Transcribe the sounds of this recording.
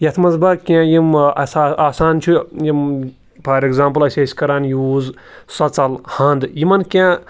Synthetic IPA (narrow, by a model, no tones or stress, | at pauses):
jɐt̪ʰmɐzbɐkʲẽːjimɐsaaːsaːnt͡ʃʰijim | pʰɐɾeɡzaːmpɨlɐsʲeːsʲkɐɾaːnjuːz | sɐt͡sɐlhɐnd̪jimɐnkʲẽː